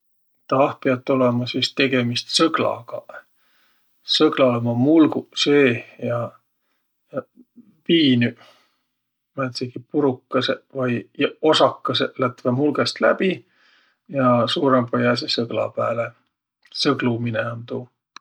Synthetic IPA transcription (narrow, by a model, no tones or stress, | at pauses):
t̪ɑhpeɑt̪ːˑolemɑsist̪e̞ɡ̥e̞mist̪sɤɡ̥lɑ̰ɡ̥ɑ | sɤɡlɑlemɑmulɡuseːjɑ | jɑ | piːny | mæt̪seɡ̥ipuɾukːˑɑsevɑjosɑkːɑselæt̪vemulɡest̪læ̰b̥i | jɑsuːɾempɑjɑs̬esɤɡ̥lɑ̰pæːle | sɤɡ̥lumineont̪uː